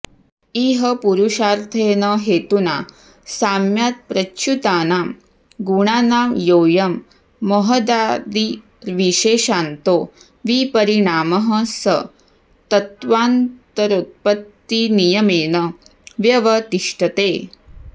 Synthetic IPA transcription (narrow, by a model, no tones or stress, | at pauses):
iːɦɐpuɾuʂaːɾt̪ʰeːnɐɦeːt̪una̰ | saːmjaːt̪̚pɾɐt͡ʃut̪aːnaːm | ɡuɳaːnaːmjoːjɐmː | ɐɦɐd̪aːd̪i | ɾʋiʃeːʃaːnt̪oː | ʋipɐɾiɳaːmɐɦɐ̃̆sɐ | t̪ɐt̪ʋaːnt̪ɐɾut̪̚pɐt̪ːinijɐmeːnɐʋjɐʋɐt̪iʂʈɐt̪eː